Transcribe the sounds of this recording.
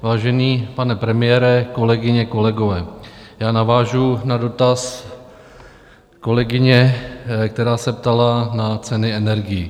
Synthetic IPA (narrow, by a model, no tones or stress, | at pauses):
vaːʒɛniːpanɛpɾɛmɪjɛːɾɛko̞lɛɡɪɲɛko̞lɛɡo̞vɛːjaːnavaːʒunado̞t̪as | ko̞lɛɡɪɲɛk̚t̪ɛɾaːsɛpt̪alanat͡sɛnɪɛnɛɾɡɪji